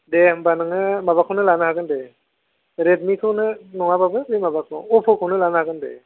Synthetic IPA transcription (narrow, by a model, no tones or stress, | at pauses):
debanɯŋɯmabakʰawnɯlanɯɦaɡɯnde | ɾed̚mikʰɯwnɯnɔŋababɯbimabakʰɯwɔpʰɯkʰɯwnɯlanɯhaɡɯndḛ